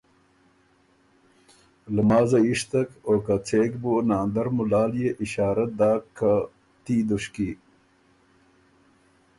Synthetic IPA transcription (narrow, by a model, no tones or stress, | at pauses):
ləmaːzɐiʂt̪ɐkoːkat͡sʰeːkbunaːnd̪ɐɾmulaːljeʔiɕaːɾɐd̪aːkʰːa | t̪id̪uɕki